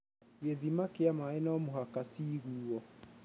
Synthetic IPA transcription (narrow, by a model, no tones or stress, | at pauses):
weðimakeamaɛnaɔmuɦakasiɣuːɔ